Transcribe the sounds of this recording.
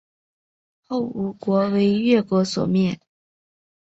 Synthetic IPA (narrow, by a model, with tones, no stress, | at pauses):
xo˥˩ʊu˧˨˩kwɔ˧˥we˧˥ɪɥɛ˥˩kwɔ˧˥swɔ̰˨˩mjɛ˥˩n